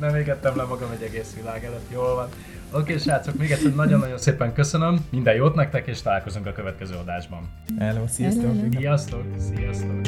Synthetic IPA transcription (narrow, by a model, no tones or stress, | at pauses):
nɛmeːɡɛt̪ːɛmlɛmːɒɡɒmɛɟːɛɡeːsʋilaːɡɛløt̪ːjoːlvɒn | okeːʃaːt̪sokmeːɡɛt̪sːɛrnɒɟo̞nːɒɟo̞nseːpɛŋkø̞sønømːind̪ɛjoːt̪nɛk̚t̪ɛkeːʃt̪ɒlaːlko̞zuŋkɒkøvɛt̪̚kɛzøːɒd̪aːʒbɒn | ɛløːsisosijɒst̪oksijɒst̪oːk